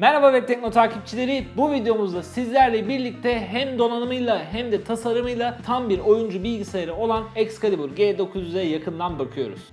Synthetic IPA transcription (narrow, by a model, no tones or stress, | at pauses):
mɛɾhabavɛc̚t̪ʰɛc̚no̞t̪ʰaːcʰip̚t͡ʃʰilʲe̞ɾibuvid̪e̞jo̞muzd̪asizlʲæɾlʲɛbiɾlʲic̚t̪ʰɛɦæmd̪o̞nanɯmɯjlˠaɦæmd̪ɛt̪ʰasaɾɯmɯjlˠat̪ʰambiɾo̞jund͡ʒubilʲɡɟisajaɾɯo̞lˠanɛcskʰalʲibuɾɟeːd̪o̞kʰuzyzɛjakʰɯnd̪anbakʰɯjo̞̰ɾṵz̥